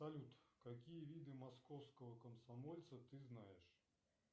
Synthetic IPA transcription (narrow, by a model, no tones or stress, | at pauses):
sɐlʲut̪kakʲijɐvʲid̪ɨmaskɔwskɐvɐkɐmsamɔlʲt̪sɐt̪ɨznajɛʂ